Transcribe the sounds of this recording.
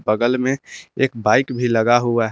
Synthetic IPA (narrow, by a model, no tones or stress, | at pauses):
bəɡəlmẽeːkbaːɪkbʱiləɡaɦuaɦ